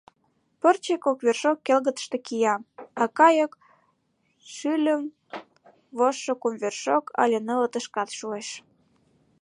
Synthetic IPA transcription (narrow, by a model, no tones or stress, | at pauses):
pərt͡ɕekokβerʃokːelɣət̪ə̥ʃt̪ekijɑmɑkɑjək | ʃylʲəm | βoʃːokumβerʃokʰɑ̰lʲenələt̪əʃkɑt̪ʃueʃ